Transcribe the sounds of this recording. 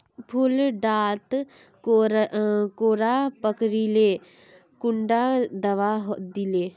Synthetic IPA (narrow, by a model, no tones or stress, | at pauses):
pʰʊlɖaːt̪ | koːɾapəkɾileː | kʊɳɖad̪əʋaɦod̪ileː